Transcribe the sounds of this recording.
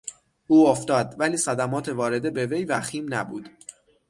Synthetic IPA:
ʔuːoft̪ɒːd̪væliːsæd̪æmɒːt̪ʰe̞vɒːɾe̞d̪e̞be̞ve̞jvæxiːmnæbuːd̪̥

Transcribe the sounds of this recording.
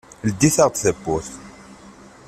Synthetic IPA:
ld̪ːiθaʁt̪θəbːuθ

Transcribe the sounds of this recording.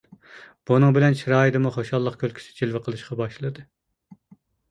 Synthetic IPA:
b̥unɨŋbɪlɛnt͡ʃʰiɾɑːid̪ɨmuχoʃɑlˠːəqkʲʰølkʲi̥t͡ʃ̪ʰɪ̥t͡ʃʰilvɪqʰəlˠɨʃqɑbɑʃlˠɨd̪ɨ

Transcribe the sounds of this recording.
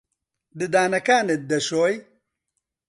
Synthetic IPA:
d̪ɨd̪aːnɐkaːned̪ɐɕoj

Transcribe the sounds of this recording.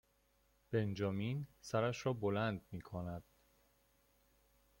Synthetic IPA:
b̥e̞nd͡ʒɒːminsæɾæʃɾɒːbolænd̪̚miːkʰonæd̪̥

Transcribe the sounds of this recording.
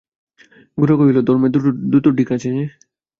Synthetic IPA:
ɡuɾakoɦilod̪ʱɔɾmed̪ud̪ut̪oɖikat͡ɕʰee

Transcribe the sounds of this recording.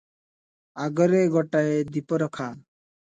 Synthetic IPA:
aɡɔɾeɡɔʈaed̪ipɔɾɔkʰa

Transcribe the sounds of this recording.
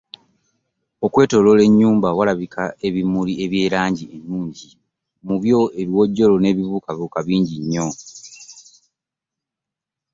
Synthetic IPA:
o̞kwe̞ːto̞lo̞le̞ɲːuːmbawalaβikae̞βimulie̞βje̞ːɾaːɲɟienːuːɲɟi | muβjo̞e̞ljwo̞ɟːo̞lo̞ne̞ːβiβukaβiβuːkaβiːɲɟiɲːo̞

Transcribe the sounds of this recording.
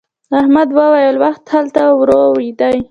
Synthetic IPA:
ahmad̪wəwajəlwaxt̪halt̪awɾoid̪aj

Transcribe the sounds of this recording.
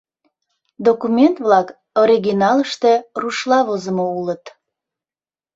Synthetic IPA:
d̪okumʲent̪βlɑk | oɾiɡinɑləʃt̪e̽ruʃlɑβozəmoulət̪

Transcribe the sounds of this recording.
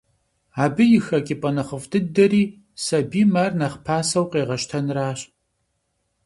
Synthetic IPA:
aːbɨjɪxɐkʲʼɪpʼɐnɐχəfdʰɨdɐɾiː | sɐbiːmarnɐχpʰaːsɐwqʼeːʁɐʃtʰɐnraːɕ

